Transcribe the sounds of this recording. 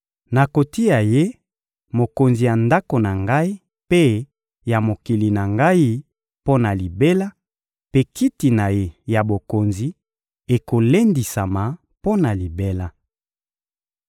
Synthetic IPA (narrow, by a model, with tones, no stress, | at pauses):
na˨ko˨ti˦ja˨je˦ | mo˨ko˨nzi˨ja˨nda˦ko˨na˨ŋɡa˦i˦ | pe˦ | ja˨mo˨ki˨li˨na˨ŋɡa˦i˦ | po˦na˨li˨be˦la˦ | pe˦ki˦ti˨na˨je˨ja˨bo˨ko˨nzi˨˦ | e˨ko˨le˦ndi˨sa˨ma˨ | po˦na˨li˨be˦la˦